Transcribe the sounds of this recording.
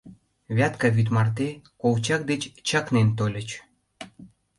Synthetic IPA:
βʲæt̪kɑβyt̪mɑrt̪ekowt͡ɕɑk̚d̪et͡ɕt͡ɕɑknent̪olʲə̆t͡ɕ

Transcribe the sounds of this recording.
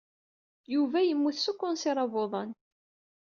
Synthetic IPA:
juvæjəmːuθsukːʊnsɪɾˤɑvoðˤɑn

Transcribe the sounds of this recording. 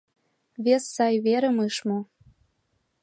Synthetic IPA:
βesːɑjβeɾə̆mɯʃmo

